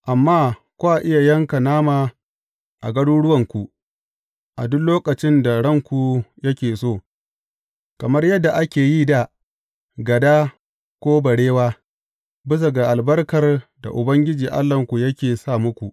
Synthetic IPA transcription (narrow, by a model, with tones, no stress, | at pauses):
ʔa˨mːaː˦˨ | kʷu˦ʔa˨ʔɪ˦ja˨jɐ˦ŋka˨naː˦maː˨ | ʔa̰˨ɡɐ˦ɽu˦ɽʊ˦wɐ˨ŋkʷu˨ | ʔa̰˨dʊ˦nloː˦kʼɐ˨t͡ʃɪ˦nda˨ɽɐ˦ŋkʷu˨jɐ˦kʲeː˨soː˦˨ | kɐ˨mɐ˦rjɐ˦dːa˨ʔa˦kʲeː˨jiː˦da˦˨ | ɡɐ˨daː˦ | kʷoː˦bɐ˨ɽeː˦waː˦ | bɪ˦s̬ɐ˨ɡa˨ʔa˨lbɐ˦rkɐ˨rda̰˨ʔʊ˨bɐ˦ŋɡʲɪ˦d͡ʒiː˨ʔa̰˦lːɐ˨ŋkʷu˨jɐ˦kʲeː˨saː˦˨mʊ˦kʷu˨ʔ